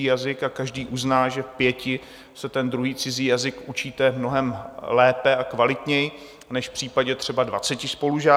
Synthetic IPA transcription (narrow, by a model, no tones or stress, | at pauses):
iːjazɪkakaʒdiːʔuznaːʒɛfpjɛcɪ | sɛt̪ɛnd̪ɾuɦiːt͡sɪziːjazɪkʔut͡ʃiːt̪ɛmno̞ɦɛmlɛːpɛakvalɪt̪ɲɛjɪ | nɛʃfpr̝̥iːpaɟɛt̪r̝̥ɛbadva̰t͡sɛcɪspo̞luʒaː